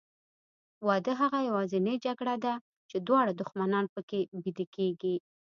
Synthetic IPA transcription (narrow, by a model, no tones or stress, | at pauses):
wɑd̪əɦaɣajawɑzɪned͡ʒaɡɽad̪a | t͡ʃed̪wɑɽad̪ʊxmanɑnpəkebid̪ekeɡi